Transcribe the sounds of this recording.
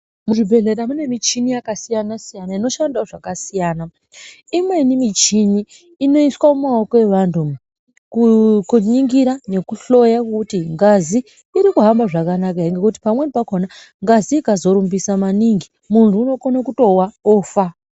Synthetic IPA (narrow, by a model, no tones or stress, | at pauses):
muʐibʱe̞ɮe̞ɾamune̞mit͡ʃinijakasijanasijanaino̞ʃandaʐakasijaːna | imwe̞nimit͡ʃiniː | no̞iswamumao̞ko̞eʋantʰu | kkuɲiŋɡiɾane̞kuɬo̞jakutiŋɡaziː | ɾikuɦambaʐakanakaɦeŋɡe̞kut̬i̥pamwe̞nipakona | ŋɡaziːkazo̞ɾumbisamaniŋɡi | muntuːno̞konakuto̞waoːfa